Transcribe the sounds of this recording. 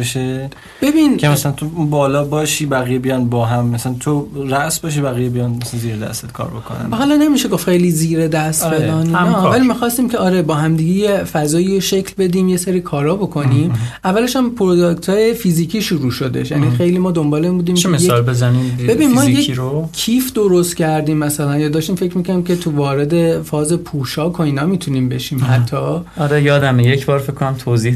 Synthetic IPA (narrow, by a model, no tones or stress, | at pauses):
eʃe | b̥e̞binkʰemæsælænt̪ʰounbɒːlɒːbɒːʃiːbæɣijebijɒːnbɒːɦæmːæsælænt̪ʰoræʔsbɒːʃ̬ibæɣijebijɒːnmsænziːɾed̪æ̰st̪et̪̚kʰɒ̰ːɾbokʰo̰næ̰nɦɒːlɒne̞miʃeɡoftxejliziːɾed̪æst̪belɒːniɒːvælimixɒːst̪iːmcʰe̞ɒːɾe̞bɒːɦæmd̪iːɡejefæzɒːijoʃecʰlbe̞d̪iːmje̞seɾiːkʰɒːɾɒːbo̞kʰo̞nimʔævːæleʃæmpʰoɾod̪okt̪ʰɒːje̞fiziːcʰiːʃuɾuːʃod̪ḛʃjænixe̞jliːmɒːd̪o̞mbɒːleimbuːd̪iːmemejseːlbezænimbe̞binmɒːjeiɾokʰːifd̪o̞ɾost̪̚cʰæɾd̪iːmːæsælænjɒd̪ɒːʃt̪iːmfecʰɾmiːkʰoniːmcʰe̞t̪ʰuvɒːɾed̪e̞fɒːze̞pʰuːʃɒːkʰoiːnɒːmiːt̪ʰuniːmbe̞ʃiːmhæt̪ʰːɒːɒɾejɒːd̪æmejecbɒːɾfekʰːonæmt̪ʰozi